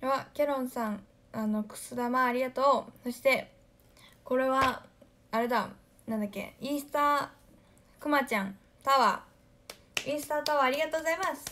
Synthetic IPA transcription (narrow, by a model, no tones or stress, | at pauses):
βakʲeɾõ̞ɰ̃sãŋ | ano̞kɯ̟̥sɨd̪amaːɾʲiɡat̪o̞ːso̞ɕi̥t̪e̞ | ko̞ɾe̞βaː | ɾe̞d̪a | nãnd̪akʲːe̞̰ist̪a | kɯ̟mat͡ɕãŋ | t̪aβa̰ | ĩːsɨ̥t̪at̪aβaːɾʲiɡat̪o̞ːɡozaimasɨ̥